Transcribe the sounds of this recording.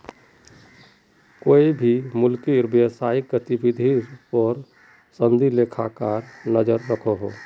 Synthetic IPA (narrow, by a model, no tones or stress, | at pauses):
koːibʱimʊlkiɾbjəsaikɾət̪ibid̪ʱipɔɾ | sə̃nd̪ʱilekʰakaɾnəd͡ʒəɾːəkʰoɦo